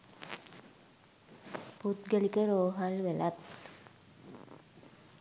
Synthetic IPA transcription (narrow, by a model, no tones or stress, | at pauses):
put̪ɡəlikəɾoːɦalʋelat̪